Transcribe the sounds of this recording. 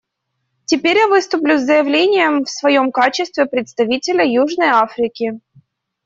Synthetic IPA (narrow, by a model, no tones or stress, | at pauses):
tʲɪpʲeɾʲjavɨst̪ʊplʲʊzːəjɪvlʲenʲɪjəmfsvɐjo̞mkat͡ɕɪst̪vʲɪpɾʲɪt̪st̪ɐvʲitʲɪlʲəjuʐnəjafɾʲɪkʲɪ